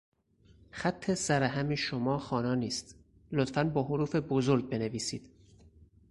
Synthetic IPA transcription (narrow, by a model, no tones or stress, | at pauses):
xæt̪ʰːe̞sæɾæɦæmeʃomɒːxɒːnɒːniːst̪ | lot̪fænbɒːɦoɾuːfe̞bozoɾɡ̚be̞neviːsiːd̪̥